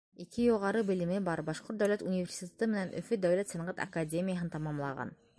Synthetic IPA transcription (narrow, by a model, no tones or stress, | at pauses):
ikɘjuʁɑɾɤbɘ̆lɘ̆mɘbɑɾbɑʃqoɾt̪̚d̪æwlæt̪unʲivʲerʲsʲit̪ʲet̪ɤmɘ̆nænʔɵ̰̆fɵd̪æwlæt̪sɑnɑʁɑt̪ɐ̰kadʲemʲijaɦɤnt̪ɑmɑmlˠɑ̰ʁɑ̰n